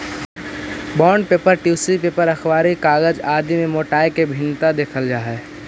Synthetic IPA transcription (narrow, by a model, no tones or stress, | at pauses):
bɔːɳɖ̚peːpəɾʈjuːsipeːpəɾəxʰʋaːɾikaːɡəd͡ʒaːd̪imẽmoːʈaːekebʱɪnːt̪ad̪eːkʰəld͡ʒaːɦɛ